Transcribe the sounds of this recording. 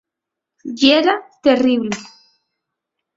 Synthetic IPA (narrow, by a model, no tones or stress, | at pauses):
jeɾat̪eriβle